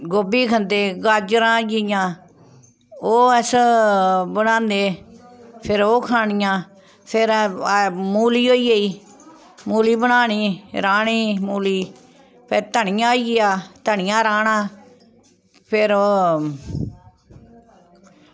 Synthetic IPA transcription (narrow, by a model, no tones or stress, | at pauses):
ɡoːbiːkʰənd̪eːɡaːd͡ʒɾãːd͡ʒijãː | oːəs | bənãːnd̪eː | pʰɪɾoːkʰaːnɪjãː | pʰɪɾ | muːliːɦoːiːəiː | muːliːbənaːɳiːɾaːɳiːmuːliː | pʰɪɾt̪əɳɪjãːoiːɡɪjaːt̪əɳɪjãːɾaːnãː | pʰɪɾoː